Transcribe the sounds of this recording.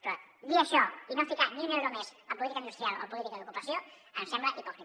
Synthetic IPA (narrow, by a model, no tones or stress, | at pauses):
pɾɔd̪iəʃɔinoafikat̪niuneuɾomesəp̬ulit̪ikəind̪ust̪ɾialo̰pulit̪ikəðukupɐsjo | əmsɛmbləʔipɔkɾi